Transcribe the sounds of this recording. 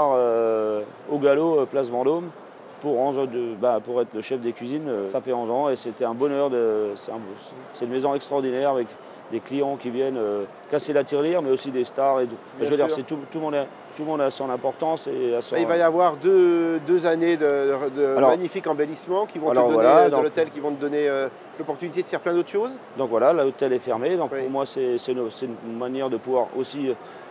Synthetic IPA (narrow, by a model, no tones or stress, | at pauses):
aʁø | oɡaloplasvɑ̃d̪om | puʁɑ̃zɔ̃d̪øbãpuʁɛt̪χləʃɛfd̪ekʲɥizinøsafɛɔ̃zɑ̃esɛt̪ɛɛ̃bɔnœʁd̪əsɛt̪ɛ̃b | sɛnmezɔ̃ɛkst̪χɔʁd̪inɛʁavɛk | d̪eklijɑ̃kʲivjɛnø | kaselat̪iʁliʁmɛosid̪est̪aʁet̪u | əvəd̪iʁsɛt̪ut̪ulmɔ̃d̪ɛ | t̪ulmɔ̃d̪asɑ̃lɛ̃pɔʁt̪ɑ̃seasivajavwaʁd̪ød̪øzaned̪əəd̪əalɔmaɲifikɑ̃belismɑ̃kʲivɔ̃alɔəʁvdɔwalad̪ɔ̃lɔkt̪ɛlkʲivɔ̃t̪əd̪ɔneø | lɔpɔʁt̪ynit̪ed̪əfɛʁplɛ̃d̪ot̪ʰʃozd̪ɔ̃kvwalalaot̪ɛlɛfɛʁmed̪ɔ̃kpuʁmwasɛsɛsɛynmanjɛʁd̪əpuvwaʁo̰siø